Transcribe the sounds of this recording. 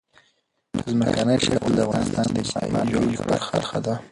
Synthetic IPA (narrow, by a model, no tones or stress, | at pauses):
əzməkanəjʃaɽɣald̪əavɣɑnɪst̪ɑnd̪əsɑ̰mɑ̰jobaɾxa̰ɾxad̪a